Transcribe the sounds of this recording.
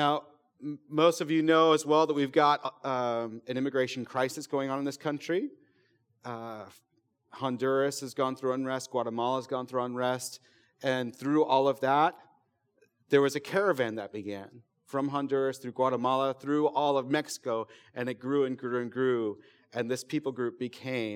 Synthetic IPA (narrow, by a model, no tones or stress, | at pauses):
naʊ | moʊstʌvjɨnoʊəzwɛlˠðət̚wivɡɑɾ | ɨ̃nɪ̃mɨɡɹeɪʃn̩kʰɹ̥aɪsɨsɡ̥oʊɪ̃ŋə̃ñnðɪskʰʌ̃nt͡ʃɹ̥i | hɑ̃ndɜ˞ɨsɨzɡɔ̃nθɹʉə̃nɹɛstɡ̥wɑɾəmɑlˠəzɡɔ̃nθɹuə̃nɹɛst | ɨ̃nθɹʉʔɔlˠʌvðət̪̚ | ðə˞wʌzɨkʰɛɹɨvæ̃nðɨt̚b̥ɨɡæ̃n | fɹʌ̃mɦɑ̃ndɜ˞ɨsθɹʉɡwɑɾəmɑlˠəθɹʉɔlˠʌvmɛksə̥koʊɨ̃nɨt̚ɡ̥ɹʉɨ̃nɡɹʉɨ̃nɡɹʉ | ʔɨ̃nðɪspʰipl̩ˠɡɹʉp̚b̥ɨkʰẽɪ̃